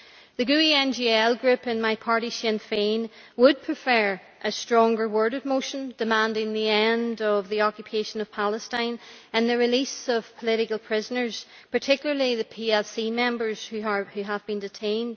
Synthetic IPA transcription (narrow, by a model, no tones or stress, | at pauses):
ðɨɡʉiɛ̃nd͡ʒiɛlˠɡɹʉpɨ̃nmaɪpʰaɹɾiʃɛ̃nfẽn | wəd̚pʰɹ̥ɨfɛ˞ | ʔɨstɹ̥ɔ̃ŋɡə˞wɜ˞ɾɨd̚moʃə̃nd̥ɨmãndɪ̃ŋðiɛ̃ndʌvðiɔkjɨpʰeʃə̃nʌv̥pʰalˠəstãɪ̃nə̃nðɨɹɪlisʌv̥pʰəlˠɪɾɪkəl̩ˠpʰɹ̥ɪzənə˞z̥ | pʰə˞tʰɪkjl̩ˠə˞lˠiðɨpʰiɛlˠsimɛ̃mbə˞z̥hʉəhʉəvbĩndɨtʰẽɪ̃nd̥